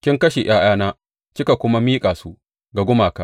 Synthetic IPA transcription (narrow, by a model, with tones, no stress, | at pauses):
kʲɪ˦ŋkɐ˦ʃe˨j̰aː˦j̰aː˦naː˦ | t͡ʃɪ˦ka˨kʷʊ˦ma˦miː˦kʼaː˨su˦ʔ | ɡa˨ɡʷʊ˦maː˨ka˦ʔ